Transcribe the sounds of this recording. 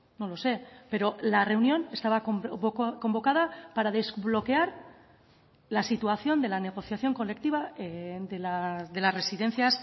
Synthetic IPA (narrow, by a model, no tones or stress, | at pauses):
no̞lo̞se̞pe̞ɾo̞lare̞unjo̞ne̞st̪aβakko̞mbo̞kað̞apaɾað̞e̞zβlo̞ke̞aɾ | lasit̪uaθjo̞nd̪e̞lane̞ɣ̞o̞θjaθjo̞ŋko̞le̞kt̪iβaed̪elaðe̞lasre̞siðe̞nθjas